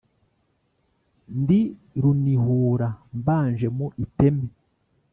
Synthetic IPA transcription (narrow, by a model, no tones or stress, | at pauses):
ndi | ɾunihuːɾambaːnʒemoʔite̞me